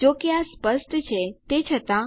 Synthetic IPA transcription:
d͡ʒokeaspəsʈ̪ʰt͡ʃʰet̪et͡ʃʰət̪ã

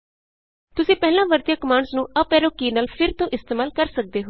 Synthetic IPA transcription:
t̪ʊsĩːpɛːlãːʋəɾt̪jaːkəmaːɳsnũːəpɛːɾoːkiːnaːlpʰɪɾt̪õːʔɪst̪eːmaːlkəɾsək̚d̪eːɦo

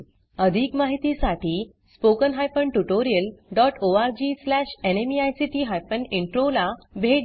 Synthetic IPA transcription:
əd̪ʱiːkmaɦit̪isaʈʰiː | spokənɦajfəɳʈuʈoɾiəlɖɔʈoaɾd͡ʑislæɕenemiajsiʈiːɦajfəniɳʈɾolabʱeɽ

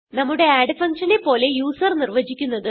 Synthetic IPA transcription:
nɐmːuɽe̞aːɖɨfɐŋkʂɐnepːo̞ːle̞juːsɐrnirʋɐd͡ʑikʲːunːɐðɨ

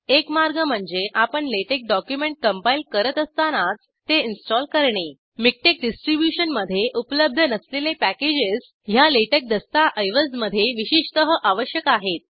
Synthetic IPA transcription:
ekmaɾɡəm̤əɳd͡zeʔapəɳleʈek̚ɖɔkjumeɳʈ̚kəmpail̚kəɾət̪əst̪anat͡s | t̪ːeinsʈɔlkəɾɳe | mik̚ʈek̚ɖisʈɾibjuɕənməd̪ʱːjeʔupləb̚d̪ʱənəslelepæked͡ʑes | ɦjaleʈek̚d̪əst̪aʔəjʋəsməd̪ʱːjeʋiɕiʂt̪əɦəʔaʋəɕjəkaɦet̪̚

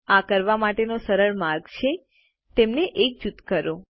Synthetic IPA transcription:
akəɾʋamaʈenosəɾəɭmaɾɡt͡ʃʰe | t̪emneʔek̚d͡ʒut̪kəɾo

